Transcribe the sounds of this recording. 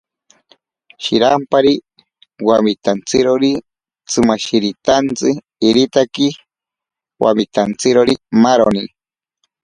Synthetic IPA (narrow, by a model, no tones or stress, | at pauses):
ʃiɾampaɾi | wamit̪ant͡sɨɾoɾi | t͡sɨmaʃiɾit̪ant͡sɨː | ɾit̪aki | wa̰mit̪ant͡sɨɾoɾimaɾoni